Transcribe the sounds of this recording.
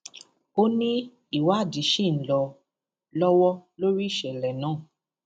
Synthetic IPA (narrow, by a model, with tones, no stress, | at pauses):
o˦nĩ˦ | i˦˨wa˨˦˨di˨˦ʃi˦˨n̩˨lɔ˧ | lɔ˦wɔ˦lo˦ɾi˦i˦˨ʃɛ˨lɛ˨nãː˨˦˨